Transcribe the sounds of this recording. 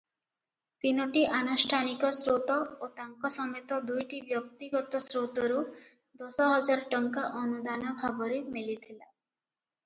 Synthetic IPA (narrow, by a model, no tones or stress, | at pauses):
t̪inɔʈiʔanusʈʰanikɔsɾot̪ɔot̪aŋkɔsɔmet̪ɔd̪ujʈibjɔk̚t̪iɡɔt̪ɔsɾot̪ɔɾu | d̪ɔsɔɦɔd͡ʒaɾɔʈɔŋkaʔɔnud̪anɔbʱabɔɾemilit̪ʰila